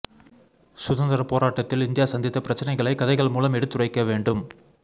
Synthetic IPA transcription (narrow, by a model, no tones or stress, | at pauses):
sʊðɐnd̪ɐɾɐpoːɾaːʈːɐt̪ːɪlɪnd̪ɪjaːsɐnd̪ɪt̪ːɐpɪɾɐt͡ʃːɐnɐɪɣɐɭɐɪkːɐðɐɪɣɐɭmuːlɐmɛɽɯt̪ːɯrɐɪkːɐʋeːɳɖɯm